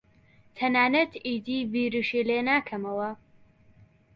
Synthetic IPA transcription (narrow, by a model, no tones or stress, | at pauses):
t̪ʰɐnaːnɐt̪ʰiːd̪iːbiːɾɨʃileːnaːkʰɐmɐwɐ